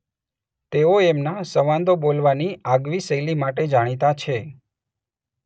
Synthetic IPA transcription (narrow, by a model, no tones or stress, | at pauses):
t̪eoemnasəʋãnd̪obolʋaniaɡʋisəjlimaʈed͡ʒaɽ̃it̪at͡ʃʰe